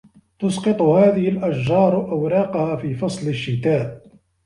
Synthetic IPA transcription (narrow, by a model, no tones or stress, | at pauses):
t̪ʊsqɨt̪ˤʊhaːðɪhɪlʔaʃʒɑːɾˤʔawɾˤɑːqɑhaːfiːfɑsˤlɪʃːɪt̪aːʔ